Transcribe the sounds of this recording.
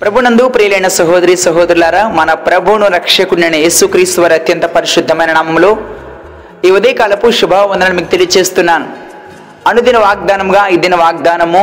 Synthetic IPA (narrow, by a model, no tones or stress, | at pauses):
pɾɐbʱunɐnd̪upɾijlɐjɳɐsɐɦoːd̪ɐɾisɐɦoːd̪ɐɾulaːɾamɐnɐpɾɐbʱuɳuɾɐkʂɐkuɳːjɐnɐjeːsukɾiːst̪uʋɐɾɐt̪jɐnt̪ɐpɐɾiʃid̪ʱːɐmɐjnɐɳaːmɐmuloː | iːʋɐd̪eːkɐlɐpuʃubʱɐʋɐnd̪ɐnɐnimiːkut̪elijt͡ʃe̞ːst̪unːaːnu | ɐnud̪inɐʋaːɡ̚d̪aːnɐmuɡaːid̪inɐʋaːɡ̚d̪aːnɐmu